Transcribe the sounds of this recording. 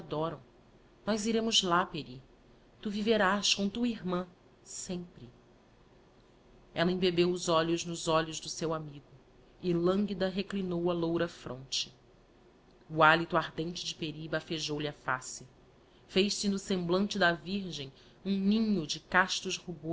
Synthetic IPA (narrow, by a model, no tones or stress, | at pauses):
ad̪ɔɾɐ̃w̃ | nɔjziɾẽmʊzlapeɾi | t̪uviveɾaskõt̪uiɦmɐ̃ | sẽmpɾɪ | ɛlɐĩbebewʊzɔʎʊʒnʊzɔʎʊʒd̪ʊsewamiɡʊ | ɪlɐ̃ŋɡid̪ɐɦeklinowɐlowɾɐfɾõ̰nt͡ʃɪ̥ | ualit̪uaɦd̪ẽnt͡ʃɪd͡ʒɪpeɾibafeʒowliafa̰sɪ | fejʃsɪnʊsẽmblɐ̃nt͡ʃɪd̪ɐviɾʒẽj̃ | ũnĩɲʊd͡ʒɪkaʃt̪ʊʃhubo